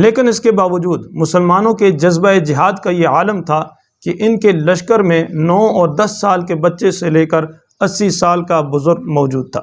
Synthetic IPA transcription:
leːkɪnɪskebaːʋəd͡ʒuːd̪mʊsəlmaːnõked͡ʒɐzbaed͡ʒɪɦaːd̪kajeaːləmt̪ʰa | keʔɪnkelɐʃkəɾmẽnɔːɔːɾd̪ɐsːaːlkebɐtːʃeseleːkəɾ | ɐsːisaːlkabʊzʊɾɡ̚mɔːd͡ʒuːd̪̚t̪ʰa̰ː

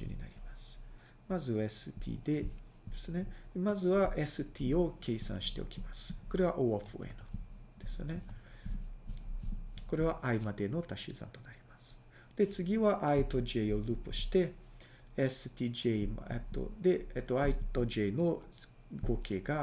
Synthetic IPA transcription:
ɨ̰ɲ̟ḭna̰ɾʲimasɨ̥ | mazɨaesɨt̪ʲʰḭːd̪e̞ | d̪e̥sɨne̞mazɨβaʔe̞sɨt̪ʲʰiːo̞ke̞ːsã̰ɰ̃ɕi̥t̪e̞okʲimasɨ̥ko̞ɾe̞βaʔoaɸɯ̰ḛnɯd̪̥e̞sɨne̞ | ko̞ɾe̞β̞aʔaimad̪e̞no̞t̪aɕḭzã̰nt̪o̞naɾʲimasɨ̥ | d̪̥e̞t͡sɨɡʲiβaʔait̪oʑeio̞ɾɯ̟pɨɕi̥t̪e̞ | esɨt̪ʲiːʑem̰et̪ːo̰d̪e̞et̪ːo̞ait̪oʑeno̞ | ɡo̞ːke̞ːɡa

